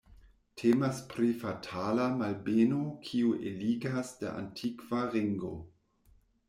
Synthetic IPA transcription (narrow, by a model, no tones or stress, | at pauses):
tʰemaspɾifatʰalamalbenokʰiuʔeliɡasda̰ʔa̰ntʰikvaɾiŋɡo̰